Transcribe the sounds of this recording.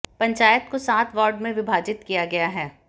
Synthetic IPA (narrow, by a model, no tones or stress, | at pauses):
pɐ̃ɲt͡ʃaːjət̪̚kosaːt̪ʰʋɔːɾɖmẽʋɪbʱaːd͡ʒɪt̪kijaɡɐjaɦɛː